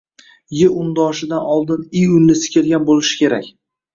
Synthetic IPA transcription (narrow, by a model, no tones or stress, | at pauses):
jɪʊnd̪ɒʃɪd̪anɒlˠd̪ɪnɪjʊnːɪsɪ̥kʲʰɪɾɡʲanbolɪʃɪ̥kʲe̞ɾakʲ